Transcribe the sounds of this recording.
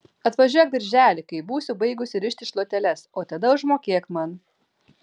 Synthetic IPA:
ɐt̪ʋɐʒʲuɔjɛk̚d̪ʲɐɾʲʒʲæːlʲɪkɐɪbuːsʲʊbɐɪɡʊsʲɪɾʲɪʃʲt̪ʲɪʃlˠoːt̪ʲɛlʲɛsoːt̪ɐd̪ɐʊʒmoːkʲeːkmɐn

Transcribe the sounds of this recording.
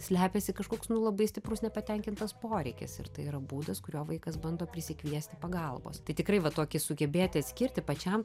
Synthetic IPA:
sʲlʲæːpʲɛsʲɪkɐʃkoːksnʊlˠɐbɐɪsʲt̪ʲɪprʊsnʲɛpɐt̪ʲɛŋʲkʲɪnt̪ɐspoːɾʲɛɪkʲɛ̰sɪ̰rt̪ɐɪɪɾɐbuːd̪ɐskʊɾʲoːʋɐɪkɐsbɐnd̪oːpʲɾʲɪsʲɪkʋʲiɛsʲt̪ʲɪpɐɡɐlˠbo̰ːst̪ɐɪt̪ʲɪkɾɐɪʋɐt̪oːkʲɪsʊɡʲɛbʲeːt̪ʲɪɐt̪ʲsʲkʲɪɾʲt̪ʲɪpɐt͡ʃʲɛm

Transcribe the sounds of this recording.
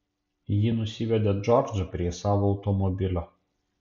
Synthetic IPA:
jinʊsʲɪʋʲɛd̪ʲed͡ʒɔɾd͡ʒɐpʲɾʲiɛsɑːʋoːʊt̪ɔmɔbʲɪlʲoː

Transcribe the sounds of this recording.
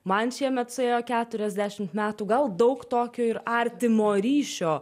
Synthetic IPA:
mɐnʃʲiɛmʲɛt̪sʊeːjoːkʲæːt̪ʊɾʲɛzʲd̪ʲæːʃʲɪmt̪mʲæːt̪uːɡɐlˠd̪ɐʊkt̪oːkʲoːɪɾɐɾʲt̪ʲɪmoːɾʲiːʃʲoː

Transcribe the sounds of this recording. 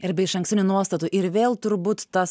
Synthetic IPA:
ɪɾbʲɛɪɪʃɐŋksʲɪnʲunuɔst̪ɐt̪uʔɪɾʋʲeːlˠt̪ʊɾbuːt̪ːɐs

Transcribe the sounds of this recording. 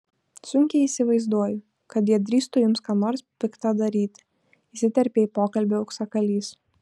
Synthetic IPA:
sʊŋʲkʲɛiːsʲɪʋɐɪzd̪uɔjʊ | kɐt̪jiɛd̪ʲɾʲiːst̪ʊjʊmskɑːnoːɾspʲɪkt̪ɐd̪ɐɾʲiːt̪ʲɪ | isʲɪt̪ʲɛɾʲpʲeːiːpoːkɐlʲbʲeʊksɐkɐlʲiːs

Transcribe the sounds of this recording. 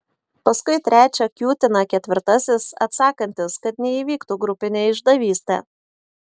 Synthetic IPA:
pɐskʊɪt̪ʲɾʲæːt͡ʃʲɛkʲuːt̪ʲɪnɐkʲɛt̪ʲʋʲɪɾt̪ɐsʲɪsɐ̰t̪sɑːkɐnʲt̪ʲɪskɐt̪nʲɛiːʋʲiːkt̪uːɡɾʊpʲɪnʲeːɪʒd̪ɐʋʲiːsʲt̪ʲɛ̰ː

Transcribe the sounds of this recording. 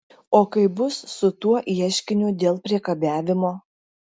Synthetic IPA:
oːkɐɪbʊsːʊt̪uɔʔiɛʃʲkʲɪnʲʊd̪ʲeːlˠpʲɾʲiɛkɐbʲæːʋʲɪmoː

